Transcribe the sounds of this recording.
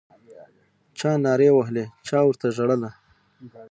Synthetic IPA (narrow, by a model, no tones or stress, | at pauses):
t͡ʃɑnɑɾewaɦlet͡ʃɑwəɾt̪aʒaɽəla